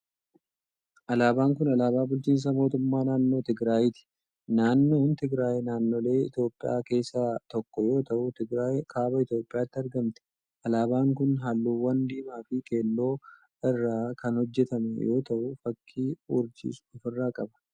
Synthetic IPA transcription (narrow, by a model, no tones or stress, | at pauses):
ʔɐlaːbaːŋkʊnɐlaːbaːbʊlt͡ʃiːns̬ɐmo̞ːt̪ʊmːaːnaːnːo̞ːt̪ɪɡɾaːjɪt̪ɪ̥ | naːnːo̞ːnt̪ɪɡɾaːjɛnaːnːo̞ːle̞ːɪ̰t̪jo̞ːpʼːɪ̰ja̰ːke̞ːsːat̪ɔkːɔjo̞ːt̪ɐʔʊt̪ɪɡɾaːjkʰaːbɐɪt̪jo̞ːpʼːɪjaːt̪ːɪɐɾɡɐmt̪ɛ̥ | ʔɐlaːbaːŋkʊnɦalːuːwɐnd̪iːmaːfɪke̞ːlːo̞ː | ɪrːaːkʰɐnhɔd͡ʒːɛt̪ɐmɛjo̞ːt̪ɐʔʊfɐkʰːiːʊɾd͡ʒɪ̰sʊfɪrːaːkʼɐbɐ̥